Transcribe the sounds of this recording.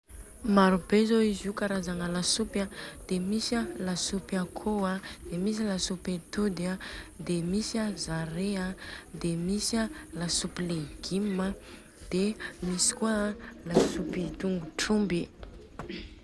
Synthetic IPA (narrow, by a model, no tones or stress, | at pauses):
maɾubezoizukaɾazaŋəlasupad̪̥emisəlasupakʰoad̪̥emis̬ilasupet̪ud̪ad̪emisazaɾead̪emisəlasupleɡ̥imːə | d̪̥emisi̥kualasupit̪uŋɡuʈ͡ʂumbi